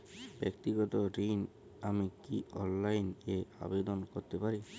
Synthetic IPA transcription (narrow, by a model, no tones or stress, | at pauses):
bɛk̚t̪iɡɔt̪ɔɾin | amikiɔnlajnea̰bed̪ɔnkɔɾt̪epaɾi